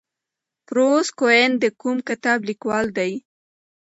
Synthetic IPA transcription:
pɾoskoend̪əkumkɪt̪ɑblikwɑld̪aj

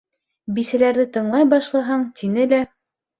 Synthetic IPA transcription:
bisælæɾðɘt̪ɤ̆ɴlˠɑjbɑʃlˠɑɦɑɴt̪ʰinɘlæ

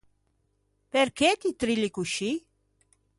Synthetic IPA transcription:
pɛɾkʰɛt̪it̪ɾilikuʃi

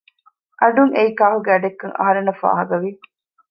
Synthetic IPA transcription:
ʔɐɖuŋeikaːɦuɡeɐɖekːɐŋʔɐ̰ɦɐɾenːɐfa̰ːɦɐɡɐʋi

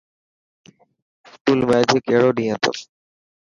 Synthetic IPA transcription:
skuːlmeːd͡ʒekeːɽoːɗĩːə̃t̪ʰo̰ː

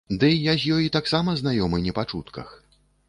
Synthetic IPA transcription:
d̪ɨjazʲjɔjit̪aksamɐznajɔmɨnʲɛpat͡ʂut̪kɐ̰x

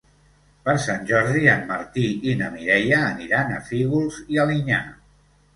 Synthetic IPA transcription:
pəɾsanʲʒɔɾðianməɾt̪iinəmiɾɛjəːniɾanə̰fiɣulˠziəliɲa

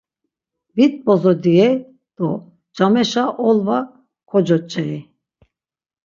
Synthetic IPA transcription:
vit̪̚bɔzɔd̪iɛ | d̪̥ɔ | d͡ʒamɛʃaʔɔlva | kʰɔd͡ʒɔt͡ʃʼɛi

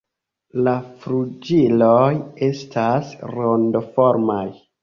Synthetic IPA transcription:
lafɾud͡ʒiloje̞stʰasɾondo̞fo̞ɾmaj

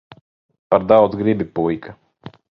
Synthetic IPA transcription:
paɾd̪awd̪zɡɾibipujkʰa

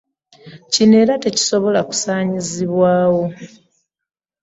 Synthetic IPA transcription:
cine̞ːɾate̞ci̥so̞βo̞laku̥saːɲiziβwaːwo̞

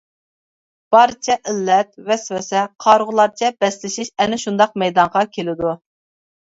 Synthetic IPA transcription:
b̥ɑɾt͡ʃʰɛʔɪlːɛt̪vɛsvɛsɛqʰɑɾʁʊlˠɑɾt͡ʃʰɛbɛslɪʃɪʃɛnɪʃund̪ɑq̚mɛjd̪ɑɴʁɑkʲʰelɪd̪u

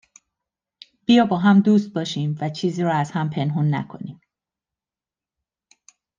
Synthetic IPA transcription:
b̥ijɒːbɒːɦæmd̪uːst̪̚bɒːʃiːmvæt͡ʃʰiːziːɾɔːæz̥hæmpʰe̞nɦunːæ̰kʰo̞̰niːm

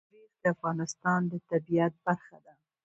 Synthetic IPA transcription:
ɾixd̪əafɣɑnɪst̪ɑnd̪ət̪abiat̪̚baɾxad̪a

